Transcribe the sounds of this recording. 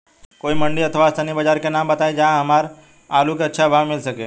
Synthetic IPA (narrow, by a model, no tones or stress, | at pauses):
koːimɐ̃ɳɖiɐt̪ʰʋaːst̪ʰaːnibəd͡ʒaːɾkenãːmbɐt̪aːed͡ʒaɦɐmaːɾ | aːlukeɐtːʃʰabʱaːʋmɪlsɐkḛː